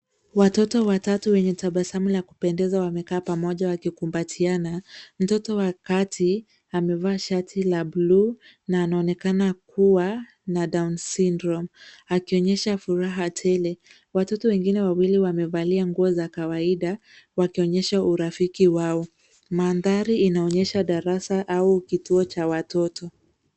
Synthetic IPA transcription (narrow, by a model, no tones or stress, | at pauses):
watɔtɔwatatuwɛɲɛtaɓasamulakupɛndɛzawamɛkaːpamɔʄawakikumbatʰianam̩tɔtɔwakatʰi | amɛvaːʃatʰilablu | naːnaɔnɛkanakuwa | naɗawnsindɾɔmakiɔɲɛʃafuɾaɦatʰɛlɛ | watɔtɔwɛŋɡinɛwawiliwamɛvaliaŋɡuɔzakawaiɗa | wakiɔɲɛʃauɾafikiwaɔ | manðaɾiːnaɔɲɛʃaɗaɾasaʔaukituɔt͡ʃawatɔtɔ